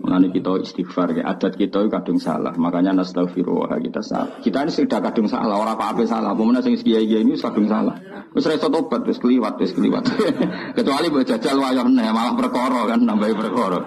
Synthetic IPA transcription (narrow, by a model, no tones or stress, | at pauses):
mŋanikit̪ɔḭst̪ifarkɛ̰ʔa̰d̥a̤t̪̚kit̪ɔkad̥ʊ̤ŋsa̰la̰hmakaɲanəsət̪afiɾo̰wa̰ɦa̰kit̪asa̰la̰hkit̪ainisd̥a̤kad̥ʊ̤ŋsa̰lahoɾapapesalamumənasɪŋskiaikiainiɪskad̥ʊ̤ŋsala̰h | wɪsɾesɔt̪ob̥ət̪̚wɪskəliwat̪̚wɪskəlḭwa̰t̪̚kət͡ʃualibɔʔʒ̥a̤d̥d͡ʒ̥alwajɔhənəhjmalahpərkɔɾɔkanːampaipərkɔɾɔ